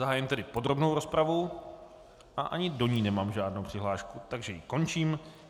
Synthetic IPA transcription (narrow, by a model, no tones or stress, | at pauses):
zaɦaːjɪmt̪ɛdɪpo̞dɾo̞bno̞wɾo̞spɾavu | ʔaʔaɲɪdo̞ɲiːnɛmaːmʒaːdnowpr̥ɪɦlaːʃkut̪aɡʒɛjɪko̞nt͡ʃiːm